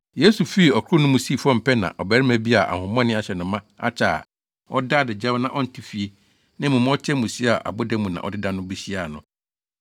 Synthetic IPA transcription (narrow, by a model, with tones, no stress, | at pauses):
je˦su˨fi˦i˨ɔ˨kʰʊ˦nʊ̃˦mũ˦siː˦˨fɔ˦m̩˨pʰɛ˦nã̰˨ʔɔ˨bæ˨ɾɪ˦mæ̃˦bi˦a˨ʔa̰˨hʊ̃˨mɔ̃˦nɪ̃˦a˨ɕɛ˨nʊ̃˨mã˦a̰˦t͡ɕʰa˨ | ɔ˦da˦˨dɪ˨d͡ʑɛ˦nã˨ʔɔ˦n̩˨tʰi˦fi˨e˦ | nɪ̃˦mʊ̃˨m̃˦ɔ˦t͡ɕʰɛ˦mũ˨si˦a˨ʔa̰˨bʊ˦dɛ˦mũ˨nã̰˨ʔɔ̰˨dɪ˦dã˦nʊ̃˦bi˦ɕi˦a˨nʊ̰̃˨